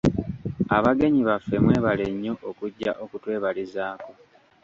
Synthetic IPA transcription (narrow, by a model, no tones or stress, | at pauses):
aβaɡe̞ɲiβafːe̞mwe̞ːβale̞ɲːo̞ʔokuɟːaʔo̞kutwe̞ːβalizaːko